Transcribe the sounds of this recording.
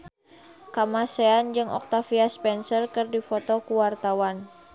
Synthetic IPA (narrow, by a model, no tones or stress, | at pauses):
kamasɛand͡ʒɨŋɔ̰k̚t̪afiaspɛnsərkɨrdifɔt̪ɔkuwart̪awan